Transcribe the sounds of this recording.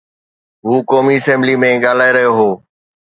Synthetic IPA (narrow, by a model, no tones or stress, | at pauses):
ɦuːkɔːmiːəsɛ̃mblimẽɠaːl̤aːeɾəɦjoɦoː